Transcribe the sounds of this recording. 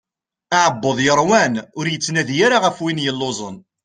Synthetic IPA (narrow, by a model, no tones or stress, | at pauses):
aʕəbːoðˤjəɾˤwænʊɾjət͡sːnæðjaɾaʁəfwinjəlːozˤən